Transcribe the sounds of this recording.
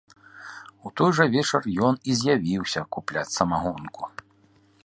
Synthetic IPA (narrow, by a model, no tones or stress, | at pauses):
ut̪ɔjʐɐvʲɛt͡ʂɐrjɔnizʲjavʲiwsʲɐkuplʲat͡sʲsɐmaɣɔnku